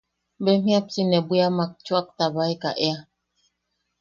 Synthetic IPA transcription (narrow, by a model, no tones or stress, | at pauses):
bɛm̥ĩap̚tinɛbujamak̚t͡ʃwak̚tabaika̰ʔɛa